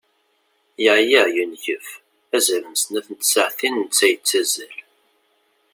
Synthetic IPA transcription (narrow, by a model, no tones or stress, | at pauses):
jəʕjæjənçəf | æzæɾəmsnæθənt̪səʕθinənt͡sːæjət͡sːæzæl